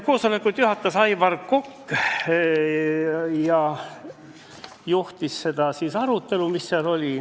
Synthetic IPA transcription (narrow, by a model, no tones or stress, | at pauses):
ko̞ːsole̞kut̪juɦɑt̪ːˑɑsɑjvɑrkokː | jɑ | juht̪isse̞d̪̥ɑsiːsɑɾut̪ːˑe̞lumisːeɑlo̞lʲi